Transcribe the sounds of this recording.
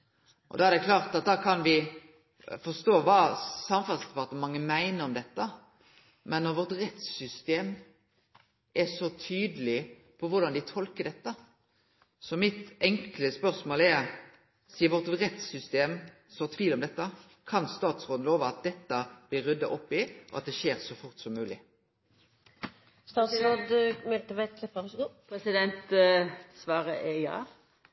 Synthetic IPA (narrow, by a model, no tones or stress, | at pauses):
ʔɔ̰d̪ɑæɾd̪ɛkʰlɑːʁt̪ɑt̪̚d̪ɑːkʰɑnʋɪ | fɔst̪oːʋɑːsɑmfɑlsd̪ɛpɑt̪əmɑŋːəmæɪnəɾɔmd̪ɛt̪ːə | mʔɛnːɔʁʋɔʁt̪ɾɛt̪sʏst̪eːm | ʔɛsɔt̪ʰyːd̪əlɪ | pʰɔʋʊɾd̪ɑnd̪ɪt̪ʰɔlkəɖ̪ɛt̪ːə | sɔmɪt̪ɛŋkləspœɾsmoːlɛɾ | siːəɾʋɔʁt̪ɾɛt̪sʏst̪eːm | sɔt̪ʰʋiːlɔmd̪ɛt̪ːə | kʰɑnst̪ɑːt̪sʁoːd̪n̩loːʋəɑt̪̚d̪ɛt̪ːəb̥lɪɾːʏd̪ːɑʔɔpːɪʔɔ̰ɑt̪̚d̪ɛʃeːɾsɔfʊʁt̪sɔmːʉːlɪ | st̪ɑːt̪sɾoːd̪mɛlt̪əʋælɛpːəʋæɡuːpʰɾɛsɪd̪ɛnt̪ | sʋɑːʁəɛjɑ̰ː